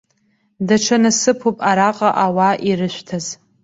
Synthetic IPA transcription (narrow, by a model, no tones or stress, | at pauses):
daʈ͡ʂʰanɨsɨpʰupʼaɾaqʼaʔawaʔiɾɨʃʷtʰaz